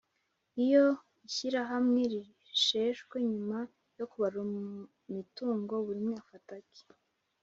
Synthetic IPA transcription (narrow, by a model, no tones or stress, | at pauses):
ijo̞ | içiɾaɦamŋe̞ɾi | ʃe̞ːʃɡweɲuma | jo̞kuβaɾu | mituːŋɡo̞βuɾimŋweafatake̥